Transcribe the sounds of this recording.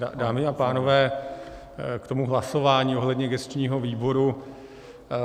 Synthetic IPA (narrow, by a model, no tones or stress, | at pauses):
daːmɪapaːno̞vɛː | kt̪o̞muɦlaso̞vaːɲiːo̞ɦlɛdɲɛɡɛst̪t͡ʃɲiːɦo̞viːbo̞ɾu